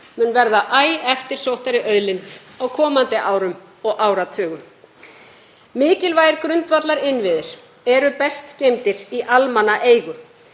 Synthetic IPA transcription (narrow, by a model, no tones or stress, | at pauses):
mʏnvɛɾðaʔaːjɛft̪ɪɾ̥sowht̪aɾɪʔœðlɪnt̪ | awkʰɔːmant̪ɪʔaːwɾʏm | ɔɣʔaːwɾat̪ʰœːɣʏm | mɪːcɪlvaːjɪɾkɾʏnt̪vat̪laɾɪnvɪðɪɾ̥ | ɛɾʏpɛst̪cejmt̪ɪɾiʔalmanːaʔeːjɣʏ